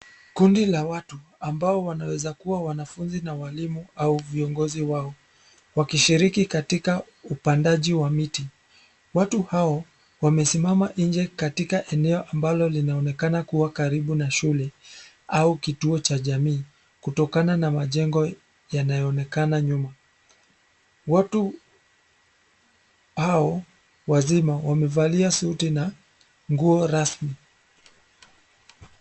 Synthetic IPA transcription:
kundilawatu | ambaɔwanawɛzakuwawanafunzinawalimuauviɔŋɡɔziwaɔ | wakiʃiɾikikatika | upandaʄiwamiti | watuhaɔ | wamɛsimamaʔiɲd͡ʒɛkatikaʔɛnɛɔʔambalɔlinaɔnɛkanakuwakaɾiɓunaʃulɛ | aukituɔt͡ʃaʄamiː | kutɔkananamaʄɛŋɡɔ | janajɔːnɛkanaɲuma | watu | haɔ | wazimawamɛvaliasautina | ŋɡuɔɾasmi

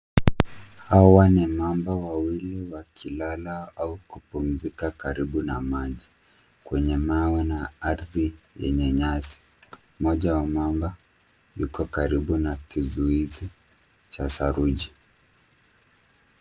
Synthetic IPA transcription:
hawanimambawawiliwakʰilalaaukupum̩zikakaɾiɓunamaʄi | kwɛɲɛmawɛnaaɾðijɛ̰ɲɛɲasi̥ | mɔʄawamamba | jukɔkaɾiɓunakizuizi | t͡ʃasaɾuʄi

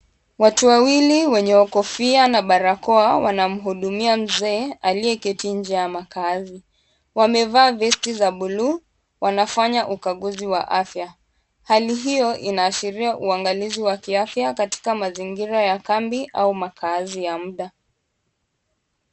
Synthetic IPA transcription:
watuwawiliwɛɲɛɔkɔfianaɓaɾakɔawanam̩ɦuɗumiam̩zɛːaliɛkɛtind͡ʒiajamakazi | wamɛvaːvɛstizaɓulu | wʔanafaɲaʔukaɠuziwa̰ʔafja | haliɦijɔʔinaːʃiɾiaʔuaŋɡaliziwakiafjakati̥kamaziŋɡiɾajakambiʔaumakʰazijam̩ɗa

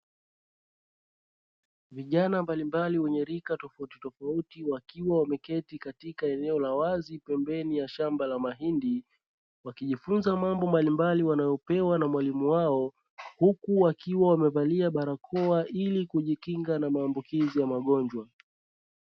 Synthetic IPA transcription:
viʄanambalimbaliwɛɲɛɾikatɔfautitɔfautiwakiwawamɛkɛtikatikaɛnɛɔlawazipɛmbɛnijaʃambalamaɦindi | wakiʄifunzamambɔmbalimbaliwanajɔpɛwanamwalimuwaɔ | hukuwakiwawamɛvaliaɓaɾakʰɔaʔilikuʄikiŋɡanamaːmbukizijamaɠɔɲd͡ʒwa

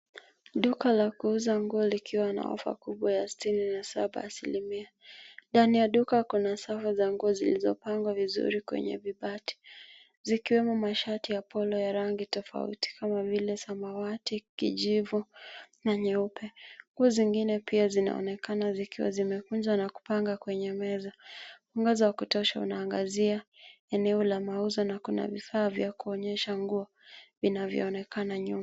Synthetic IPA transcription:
ɗukalakuuzaŋɡuɔlikʰiwana̰ɔ̰fa̰kuɓwajasitininasaɓa̰ːsilimia | ndanijaɗukakunasafazaŋɡuɔzḭlizɔpaŋɡwavizṵɾikwɛ̰ɲɛ̰viɓati̥ | zikiwɛmɔmaʃatijapɔlɔjaɾaŋɡitɔfa̰ṵti̥kamavilɛsamawatikḭʄivunaɲɛupʰɛŋɡuɔziŋɡinɛpiazina̰ɔ̰nɛkanazikiwa̰zimɛkunzwanaku̥paŋɡakwɛɲɛmɛzauŋɡazɔwakutɔʃaṵnaːŋɡazia | ɛnɛɔlamauzɔnakuna̰vifaːvjakuɔɲɛʃaŋɡuɔ | vinavjɔ̰ːnɛkanaɲuma

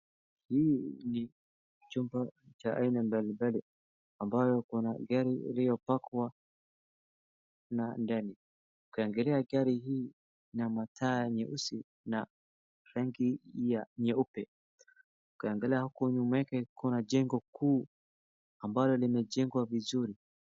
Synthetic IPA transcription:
hiːni | t͡ʃumbat͡ʃaʔa̰inambalibali | ambajɔkunaɡaɾiḭlijɔpakwa | nandani | ukiaŋɡɛlɛaɡaɾiɦiː | namatʰajaɲɛʔusi | na | ɾaŋɡiaɲɛupɛ | ukiaŋɡɛlɛahakuɲumwɛkɛkunad͡ʒɛŋɡɔkuː | ambalɔlimɛd͡ʒɛŋɡwavizuɾi

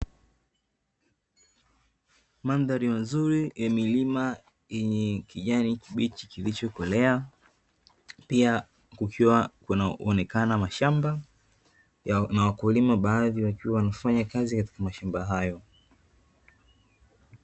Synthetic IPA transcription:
manðaɾimazuɾijamilima | iɲɛkiʄanikiɓit͡ʃikilit͡ʃɔkɔlɛa | pia | kukʰiwakunaɔnɛkanamaʃamba | jnawakulimaɓaːðiwakiwawanafaɲakazikati̥kamaʃambaɦajɔ

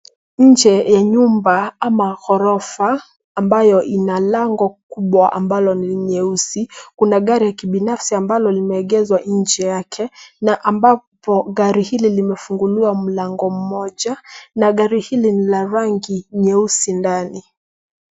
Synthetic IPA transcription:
ɲ̩d͡ʒɛjaɲumbaamaɣɔɾɔfaː | mbajɔʔinalaŋɡɔk̚uɓwaʔa̰mbalɔniliɲɛusikunaɠaɾijakiɓinafsiambalɔlimɛːɠɛzwaɲ̩d͡ʒɛjakʰɛnaʔambapɔɠaɾihililimɛfuŋɡuliwam̩laŋɡɔm̩mɔʄanaɠaɾihilinilaɾaŋɡiɲɛusindani

